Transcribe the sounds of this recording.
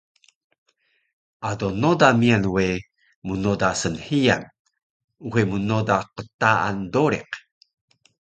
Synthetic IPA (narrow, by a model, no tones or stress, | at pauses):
ʔadonodamianwe | munodasənhija̰n | uɦemunodaqətaa̰ndoɾḛq